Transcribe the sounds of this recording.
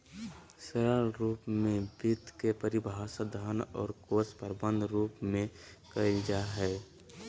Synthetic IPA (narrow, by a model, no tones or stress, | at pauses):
səɾaɾuːpmẽbit̪kepəɾibʱasəd̪ʱanɔ̰ːɾkospəɾbə̃nd̪ʱɾuːpmẽkəid͡ʒaɦɛː